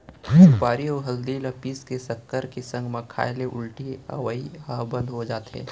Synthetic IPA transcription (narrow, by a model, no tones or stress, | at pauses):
paːɾiɔːɦɐld̪ilɐpiːskesɐkːəɾkesɐ̃ŋɡmɐkʰa̰ːɪleʔʊlʈiɐ̰wəiabə̃nd̪ɦod͡ʒaːt̪ɦɛ̰̃ː